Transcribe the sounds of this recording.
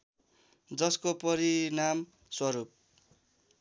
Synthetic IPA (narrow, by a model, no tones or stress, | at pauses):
d͡zʌskopʌɾinam | swʌɾup̚